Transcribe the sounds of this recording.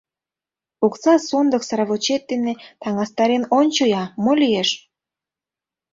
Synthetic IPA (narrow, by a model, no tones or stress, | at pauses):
ukt͡sɑsond̪əksɑɾɑβot͡ɕet̪̚d̪enet̪ɑŋɑst̪ɑɾenonʲt͡ɕojɑmolʲijeʃ